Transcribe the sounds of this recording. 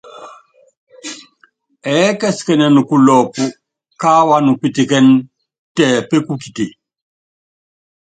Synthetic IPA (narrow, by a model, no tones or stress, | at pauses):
ɛkɛskɛnɛnukulɔpu | kawanupitikɛn | tɛːpekukiti